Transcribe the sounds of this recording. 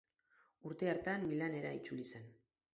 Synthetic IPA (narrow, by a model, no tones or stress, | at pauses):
uɾt̪e̞aɾt̪anmilane̞ɾait͡ʃulise̞n